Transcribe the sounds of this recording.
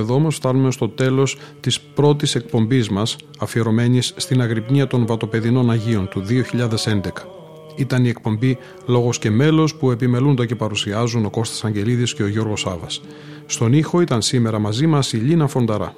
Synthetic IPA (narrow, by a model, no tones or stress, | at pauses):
eðoomo̞sft̪ɐnume̞st̪o̞t̪e̞lo̞st̪ispɾo̞t̪ise̞k̚po̞mbizmɐs | ɐfie̞ɾo̞me̞nisːt̪inɐɣɾipɲiɐt̪o̞nvɐt̪o̞pe̞ðino̞nɐʝio̞nt̪uðio̞çiʎɐðe̞se̞nd̪e̞kɐ̥ | it̪ɐnie̞k̚po̞mbi | lo̞ɣo̞sce̞me̞lo̞spue̞pime̞lund̪ɐce̞pɐɾusiɐzuno̞ko̞st̪ɐ̥sɐɲɟe̞liðisce̞o̞ʝo̞ɾɣo̞sɐvɐsː | t̪onixo̞it̪ɐnsime̞ɾɐmɐzimɐsiʎinɐfo̞nd̪ɐɾɐ̰